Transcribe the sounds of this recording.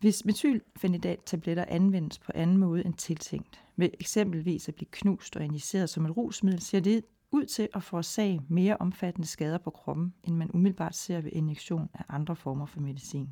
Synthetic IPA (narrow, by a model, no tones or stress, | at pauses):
ʋe̝smet͡sʰy̰ːlfæn̥id̥ɛ̰̥ːt͡sʰæb̥leɾ̥ɐʔænʋen̰əspʰɒ̽ʔænn̩mɔ̽ːð̞̩ˠent͡sʰe̝lt͡sʰeŋ̰d̥ | me̝ʔeɡ̥sem̰b̥l̩ʋḭːsæb̥liːkʰnṵːsd̥ɒ̽e̝nise̝̰ːɐð̞ˠsɒ̽me̝d̥ʁṵːsmið̞̰ˠl̩se̝ɐ̰d̥e̝ | uð̞̰ˠt͡sʰe̝ʔɒfɒːsɛ̰ːɪme̝ːɐʔɒ̽mfæd̥ənəsɡ̥ɛːð̞ˠɐpʰɒ̽kʰʁɒ̽b̥m̩ʔenmænʔumiðˠl̩bɑ̰̈ːd̥se̝ɐ̰ʋe̝ʔe̝njeɡ̥ɕo̝̰ːnæʔɑ̈nd̥ʁɐfɒːmɐfɒ̽me̝ð̞ˠisḭːn